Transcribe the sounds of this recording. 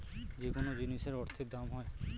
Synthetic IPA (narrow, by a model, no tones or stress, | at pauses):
d͡ʑekonod͡ʑiniʃeɾɔɾt̪ʰid̪amɦɔe